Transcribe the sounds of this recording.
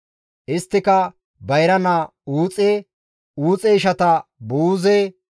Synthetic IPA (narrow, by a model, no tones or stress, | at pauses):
ʔɪst̪ːɪkɐ | bɐjɾɐnɐa | uːt͡sʼɛ | uːt͡sʼɛɪʃɐt̪ɐbuːzɛ